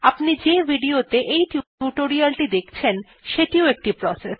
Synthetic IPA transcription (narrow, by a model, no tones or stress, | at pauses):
apnid͡ʑebʱiɖiot̪eʔejʈuuʈoɾialʈid̪ekʰt͡ɕʰen | ʃeʈioek̚ʈipɾɔse